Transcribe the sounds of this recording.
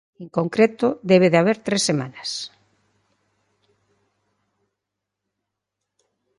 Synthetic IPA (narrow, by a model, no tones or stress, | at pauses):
eŋkoŋkɾet̪ʊðeβ̞eðeaβ̞eɾt̪ɾesemanɐs